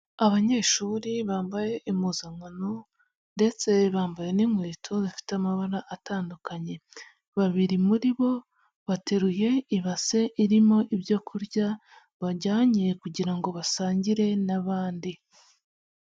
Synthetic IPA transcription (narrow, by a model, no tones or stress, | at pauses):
aβaɲe̞ːʃuːɾiβaːmbaje̞ʔimuzaŋano | nde̞t͡se̞βaːmbaje̞niŋweːtʰoβafi̥teamaβaɾaʔːtaːndukaɲe̞ | βaβiɾimuɾiβo̞ | βate̞ɾuje̞iβase̞ʔiɾimo̞ʔiβjo̞ːkʰuɾɟa | βaɟaːɲekuɟiɾaŋɡo̞βasaːɲɟiɾe̞naβaːndi